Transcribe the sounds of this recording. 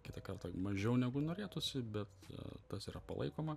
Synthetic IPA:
kʲɪt̪ɐkɐrt̪ɐmɐʒʲɛʊnʲɛɡʊnoːɾʲeːt̪ʊsʲɪbʲɛt̪t̪ɐsiːɾɐpɐ̰lˠɐ̰ɪkoːmɐ

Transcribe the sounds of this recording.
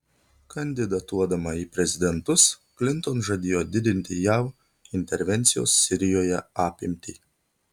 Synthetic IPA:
kʰɐnʲd̪ʲɪd̪ɐt̪uɔd̪ɐmɐiːpʲɾʲɛzʲɪd̪ʲɛnt̪ʊsklʲɪnˑt̪oːnʒɐd̪ʲeːjoːd̪ʲɪd̪ʲɪnʲt̪ʲɪjæʊ | ɪnʲt̪ʲɛɾʲʋʲɛnʲt̪sʲɪjo̰ːsːʲɪɾʲɪjoːjɛɑːpʲɪmʲt̪ʲiː

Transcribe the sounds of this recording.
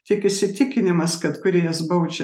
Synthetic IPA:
t̪ʲɪkɪsʲɪt̪ʲɪkʲɪnʲɪmɐskɐt̪kʊɾʲejɛsbɐʊd͡ʒʲɛ

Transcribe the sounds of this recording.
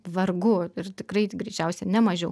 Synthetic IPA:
ʋɐrɡʊɪrt̪ʲɪkrɐɪɡɾʲɛɪt͡ʃʲɛʊsʲɛnʲɛmɐʒʲɛʊ

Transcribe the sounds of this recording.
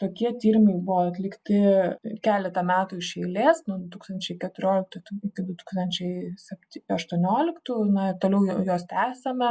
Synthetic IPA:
t̪oːkʲiɛt̪ʲiːɾʲɪmʲɛɪbʊʋoːɐt̪ʲlʲɪkt̪ʲɪkʲæːlʲɛt̪ɐmʲæːt̪uːɪʃɛɪlʲeːsnuɔd̪ʊt̪uːkst̪ɐnʲt͡ʃʲɛɪkʲɛt̪ʊɾʲoːlʲɪk̚t̪ut̪ɪkʲɪd̪ʊt̪u̥ːkst̪ɐnʲt͡ʃʲɛɪsʲɛpʲt̪ʲɐʃt̪uɔnʲoːlʲɪkt̪uːnɐɪt̪oːlʲɛʊjjoːst̪ʲæːsʲɛmʲɛ

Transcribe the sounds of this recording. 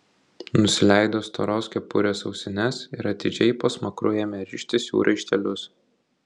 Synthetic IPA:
nʊsʲɪlʲæˑɪd̪oːst̪o̰ːɾoːskʲɛpʊɾʲoːsɒʊsʲɛnʲɛsɪɾɐt̪ʲɪd͡ʒʲɛɪpoːsmɐkɾʊjɛmʲɛɾʲɪʃʲt̪ʲɪsʲjṵːɾʔɐɪʃʲt̪ʲɛlʲʊs

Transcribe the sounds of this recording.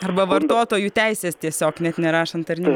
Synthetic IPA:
ɐrbɐʋɐrt̪oːt̪oːjuːt̪ʲɛɪsʲeːst̪ʲiɛsʲoːknʲɛt̪nʲɛɾɑːʃɐnt̪ɐɾʲnʲi

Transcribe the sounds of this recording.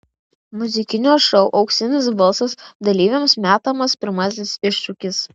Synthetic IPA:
mʊzʲɪkʲɪnʲuːʃɔʊʔɐʊksʲɪnʲɪsbɐlˠsɐsd̪ɐlʲiːʋʲɛmsmʲæːt̪ɐmɐspʲɪɾmɐs̬ʲɪsɪʃʃʊkʲɪs

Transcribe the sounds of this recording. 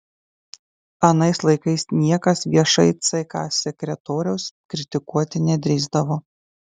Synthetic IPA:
ɐnɐɪslˠɐɪkɐɪsnʲiɛkɐsʋʲiɛʃɐɪt̪sɐɪkɑ̰ːsʲɛkʲɾʲɛt̪oːɾʲɛʊskɾʲɪt̪ʲɪkuɔt̪ʲɪnʲɛd̪ʲɾʲiːzd̪ɐʋoː

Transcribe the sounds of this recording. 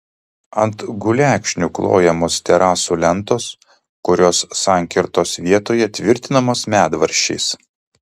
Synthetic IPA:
ɐnt̪ɡʊlʲæːkʃʲnʲʊklˠo̰ːjɛmoːst̪ʲɛɾʔɑːsulʲɛnt̪oːs | kʊɾʲoːsːɑˑŋʲkʲɪɾt̪oːsʋʲiɛt̪oːjɛt̪ʲʋʲɪɾʲt̪ʲɪnɐmoːsmʲæːd̪ʋɐɾʲʃʲt͡ʃʲɛ̰ɪs

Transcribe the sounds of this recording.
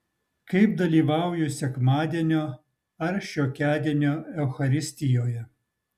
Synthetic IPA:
kɐɪp̚d̪ɐlʲiːʋɑˑʊjʊsʲɛkmɑːd̪ʲiɛnʲoː | ɐɾʃʲoːkʲæːd̪ʲiɛnʲoːɛʊxɐɾʲɪsʲt̪ʲɪjoːjɛ

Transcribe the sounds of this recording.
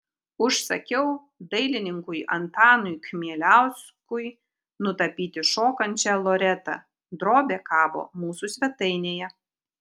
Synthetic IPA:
ʊʃsɐ̰kʲɛʊ | d̪ɐɪlʲɪnʲɪŋkʊjɐ̰nt̪ɑːnʊjkmʲiɛlʲæˑʊskʊj | nʊt̪ɐpʲiːt̪ʲɪʃoːkɐnʲt͡ʃʲɛlˠoːɾʲɛt̪ɐ̰ | d̪ɾoːbʲeːkɑːbo̰ːmuːsusʲʋʲɛt̪ɐɪnʲeːjɛ

